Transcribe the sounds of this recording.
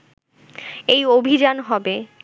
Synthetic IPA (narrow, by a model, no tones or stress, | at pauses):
ejobʱid͡ʑanɦɔbe